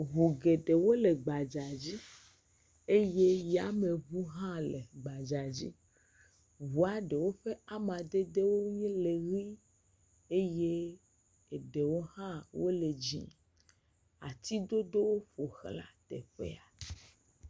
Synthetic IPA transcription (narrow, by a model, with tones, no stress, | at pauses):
βu˨ɡe˨ɖe˨wo˦le˨ɡ͡ba˨d͡ʒa˨d͡ʑi˦ | e˦je˦ja˦me˨βu˦ɦã˦le˨ɡ͡ba˨d͡ʒa˨d͡ʑḭ˦ | vu˨a˨ɖe˨wo˦ɸe˦a˦mã˨d̪e˦d̪e˦wo˦ɲĩ˦le˨ɣi˦ | e˦je˦ | e˨ɖe˨wo˦hã˦wo˦le˨d͡ʒḭ̃˦ | a˨t̪i˦d̪o˦d̪o˦wo˦ɸo˨xla̰˦t̪ḛ˨ɸḛ˦a˨